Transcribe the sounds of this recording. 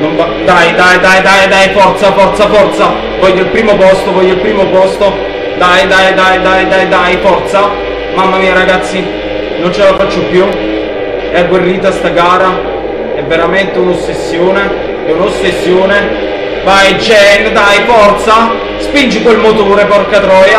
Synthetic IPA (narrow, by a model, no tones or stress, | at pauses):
nonvad̪ajd̪ajd̪ajd̪ajd̪ajfɔrt̪safɔrt̪safɔrt̪sa | vɔʎːoilpɾiːmopɔst̪ovɔʎːoilpɾiːmopɔst̪o | d̪ajd̪ajd̪ajd̪ajd̪ajd̪ajfɔrt̪sa | mamːamiaɾaɡat̪sːi | nont͡ʃelafat͡ʃːopju | ɛɡwerːiːt̪ast̪aɡaːɾa | ɛvːeɾament̪eunosːesːjoːne | ɛunosːesːjoːne | vajd͡ʒɛnd̪ajfɔrt̪sa | spind͡ʒikwelmot̪oːɾepɔrkat̪ɾɔːja